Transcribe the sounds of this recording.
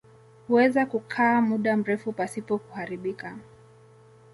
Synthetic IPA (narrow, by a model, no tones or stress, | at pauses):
huwɛzakukʰaːmuɗam̩ɾɛfupasipɔkuhaɾiɓika